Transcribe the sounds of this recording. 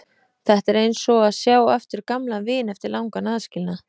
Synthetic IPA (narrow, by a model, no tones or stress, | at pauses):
θɛht̪ɛɾejnsɔaðsjaːwɛft̪ʏɾ̥kamlavɪːnɛft̪ɪɾlawŋkanaːðscɪlna